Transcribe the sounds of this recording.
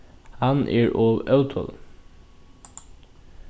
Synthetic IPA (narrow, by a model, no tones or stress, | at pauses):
hɑnʔæ̰ːɹʔoːʋœʉt̪ʰɔ̰l